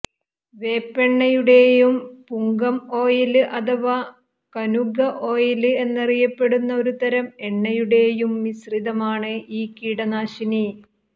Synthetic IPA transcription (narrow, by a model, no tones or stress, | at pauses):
ʋe̞ːpːe̞ɳːɐjuɽe̞ːjumpuŋɡɐmo̞ːjilɨʔɐd̪ɐʋɐ | kɐnuɡɐʔo̞ːjilɨe̞nːɐrijɐpːe̞ɽunːɐo̞ɾut̪ɐɾɐme̞ɳːɐjuɽe̞ːjumːisriðɐmaːɳɨʔiːkiːɽɐnaːɕini